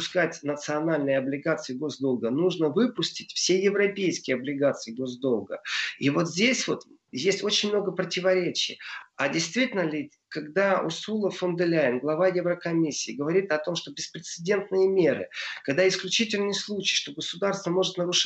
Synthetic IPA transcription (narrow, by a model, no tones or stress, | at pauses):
ʊskatʲnət̪sɨɐnalʲnəjɐblʲɪɡat̪sɨjɪɡo̞zd̪olˠɡənuʐnəvɨpʊsʲtʲɪtʲfsʲejɪvɾɐpʲejskʲɪjɐblʲɪɡat̪sɨjɪɡo̞zd̪o̞lˠɡəivo̞t̪zʲdʲesʲvo̞t̪ | jesʲtʲo̞t͡ɕɪnʲmnoɡəpɾətʲɪvɐɾʲet͡ɕɪ̰jadʲɪjst̪vʲitʲɪlʲnəlʲɪ | kɐɡd̪aʊ̰sulˠəfʊnd̪ɨlʲajɪnɡlˠɐvajɛvɾəkɐmʲisʲːiːɡəvɐɾʲit̪ɐt̪o̞mʂt̪o̞bʲɪspɾʲɪt̪sɨdʲe̞nt̪nɨjəmʲeɾɨ̰kɐɡd̪aɪsklʲʉt͡ɕitʲɪlʲnɨjslˠut͡ɕi̥jʂt̪o̞ɡəsʊd̪arst̪vəmo̞ʐɨt̪nəɾʊʂ